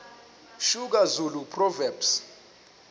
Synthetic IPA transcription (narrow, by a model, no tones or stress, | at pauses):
ʃuk̬azulupʰrɔvɛbs